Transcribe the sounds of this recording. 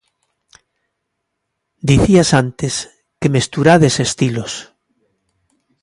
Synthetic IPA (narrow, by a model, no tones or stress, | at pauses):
d̪iθiasant̪es | kemest̪uɾaðesest̪ilos